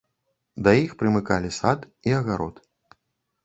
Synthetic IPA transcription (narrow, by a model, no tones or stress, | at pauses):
d̪ɐjixpɾɨmɨkalʲisat̪ | iɐɣaɾɔ̰t̪